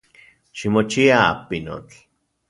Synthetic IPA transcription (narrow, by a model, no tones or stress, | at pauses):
ʃimot͡ʃia̰ːpino̰t͡ɬ